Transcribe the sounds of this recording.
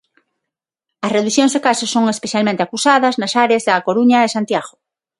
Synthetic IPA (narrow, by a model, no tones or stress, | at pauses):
ɐsreðuθjõŋzðekasosːoŋespeθjalmẽnt̪eakusaðɐznɐsaɾeazðakoɾuɲɐesant̪jaɣo